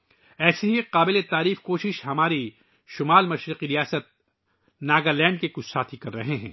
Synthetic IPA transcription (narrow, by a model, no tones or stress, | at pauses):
ɛːseɦiqaːbɪlet̪aːɾiːfkoːʃɪʃɦɐmaːɾi | ʃʊmaːlmɐʃɾɪqiɾijaːsət̪̚ | naːɡalɛ̃ːɳɖ̚kekʊt͡ʃʰsaːt̪ʰikɐɾːɐɦeɦɛ̰̃ː